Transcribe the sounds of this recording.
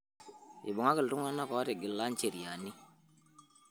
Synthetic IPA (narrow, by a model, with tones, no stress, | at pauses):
ḭ˨bʊ˨ŋa˦kɪ˨ltu˦ŋ˦a˦na˦kɔ˨˦te˨ɡɪ˨lːa˦nt͡ʃe˨ɾja˨ni˦